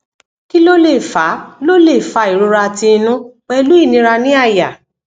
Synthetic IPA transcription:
ki˦lo˦le˦˨fa˨˦lo˦le˦˨fa˧˦i˨ɾo˧ɾa˧˨tĩ˧nũ˦k͡pɛ˦˧lu˦i˦˨nĩ˧ɾa˧nĩ˦a˦˨ja˨

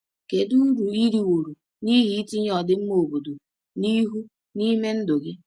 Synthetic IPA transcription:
ke˨du˦n̩˦ɾu˨i˦ɾi˨wo˨ɾu˨ | ni˦ɦi˦i˦ti˦ɲ˦ɔ˨dɪ˦m̩˦mo˨bo˨do˨ | ni˦ɦu˦ | ni˦me˦n̩˦do˨ɡɪ˦

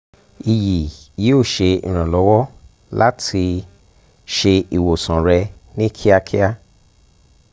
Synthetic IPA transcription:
i˨ji˨ji˦o˦˨ʃe˧ḭ̃˨ɾ̃ã˨lɔ˨˦wɔ˦ | la˦tʰi˧ | ʃe˧i˨wo˨sã˨ɾɛ˧ | nĩ˦kʰi˦a˧kʰi˦a˦

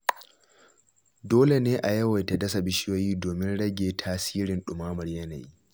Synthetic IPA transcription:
doː˦le˨neː˦ʔa˨jɐ˦wɐ˨jta˨dɐ˦sa˨bɪ˦ʃɪ˦jo˦jiː˦doː˨mɪ˦nɽɐ˦ɡʲeː˨tʰaː˦siː˦ɾɪ˨nɗʊ˨maː˦mɐ˨rjɐ˦nɐ̰˨ji˦

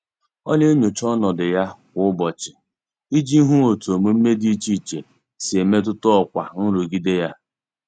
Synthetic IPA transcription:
ɔ˦ɲe˦ɲo˨t͡ʃɔ˦nɔ˨dɪ˨ja˦kʷʊ˨ʊ˦bɔ˨t͡ʃɪ˨ | i˦d͡ʒi˦ɦu˦o˨tu˨o˨mu˦m̩˦me˦di˦t͡ʃi˦˨t͡ʃe˨ | si˨e˨me˦t̬ʊ˦tʊ˦ɔ˦kʷa̰˨n̩˦ɾu˨ɡi˦de˦ja˦

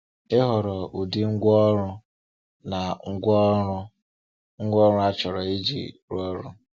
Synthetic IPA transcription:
e˦ɦɔ˨ɾɔ˨u˨di˦ŋ̩˦ɡʷɔ˦ɾʊ˦ | na˨ŋ̩˦ɡʷɔ˦ɾʊ˦ | ŋ̩˦ɡʷɔ˦ɾʊ˦a˦t͡ʃɔ˨ɾɔ˨i˦d͡ʒḭ˨ɾɔ˦ɾṵ˦

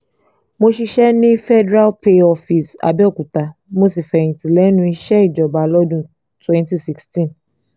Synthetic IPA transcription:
mo˧ʃi˧ʃɛ˦nĩ˦fɛ˦dɾa˦lpe˦ɔ˧fi˨sa̰˨bɛ˦ɔ˦˨ku˨ta˧mo˧si˨fɛ˨ĩ˨tĩ˨lɛ˨˦nũ˧˦i˧ʃɛ˦i˦˨d͡ʒɔ˨ba˨lɔ˦dũ˧ | twɛ̃˦nti˦˨si˦kstĩ˦n

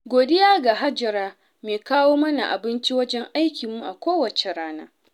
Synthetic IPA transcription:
ɡʷoː˨dɪ˦jaː˦ɡa˨ɦa˦d͡ʒɐ˨ɾaː˦ | meː˨kaː˦woː˦mɐ˦na̰˨ʔa˨bɪ˦nt͡ʃi˦wɐ˦d͡ʒɛ˦ŋʔa˦jkʲi˨mːu˦ʔa˨kʷoː˦wɐ˨t͡ʃe˨ɾaː˦na̰ː˦

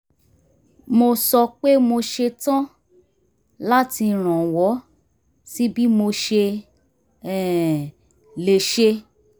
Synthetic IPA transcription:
mo˧sɔ˧k͡pe˦mo˧ʃe˧tã˦ | la˦ti˧ɾ̃ã˨wɔ˨˦ | si˦bi˦mo˧ʃe˧ | ɛ˨ | le˨ʃe˧

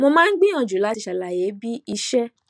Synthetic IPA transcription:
mo˧mãː˦n̩˦ɡ͡bĩ˦ã˨˧˨d͡ʒu˨la˨˦ti˧ʃa˨la˨je˨˦bi˦i˦ʃɛ˦

